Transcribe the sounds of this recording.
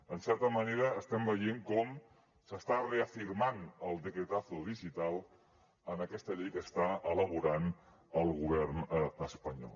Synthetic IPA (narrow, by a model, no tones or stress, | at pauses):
ənsɛɾt̪əməneɾəːst̪ɛmbəjeŋkɔm | səst̪areəfiɾmanəlˠd̪əkɾet̪aθuðiʒit̪alˠ | ənəkɛst̪əʎejkəst̪aələβ̞uɾan | əlˠɣuβ̞ɛrnəəspəɲɔ̰l